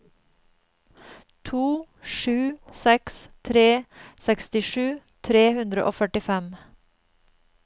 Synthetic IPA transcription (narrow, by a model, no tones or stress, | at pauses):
t̪ʰuː | ʃʉːsɛkst̪ʰɾeːsɛkst̪ɪʃʉː | t̪ʰɾeːhʉnd̪ɾəʔo̰ːfœʈɪfɛm